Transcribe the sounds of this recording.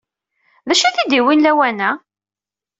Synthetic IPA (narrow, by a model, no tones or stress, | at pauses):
ðæʃiθid̪iwinlæwænæ